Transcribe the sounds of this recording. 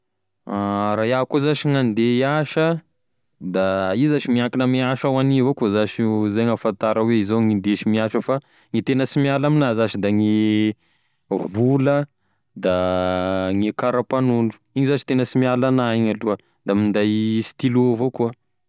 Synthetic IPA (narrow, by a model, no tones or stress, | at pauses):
aɾajakuzaʃiŋand̪eaʃə | d̪aizaʃimiakinəmiaʃawanivokuzaʃzaŋafant̪aɾəweizoŋind̪eʃimiaʃəfa | ŋit̪enəsimialaminazat͡ʃid̪aŋi | vulə | d̪a | ŋekaɾapanunɖ͡ʐu̥ | iɲizat͡ʃi̥t̪enəsimialanaiɲaluə | d̪amind̪ajst̪iluvokuə